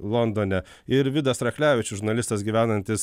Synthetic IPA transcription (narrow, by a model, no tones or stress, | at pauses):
lˠɔnd̪oːnʲɛ | ɪɾʋʲɪd̪ɐsɾɐklʲæːʋʲɪt͡ʃʲʊʒʊɾnɐlʲɪst̪ɐsɡʲiːʋʲæːnɐnʲt̪ʲɪs